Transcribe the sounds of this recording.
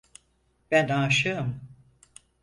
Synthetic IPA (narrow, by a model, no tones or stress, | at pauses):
b̥ænaːʃɯɯm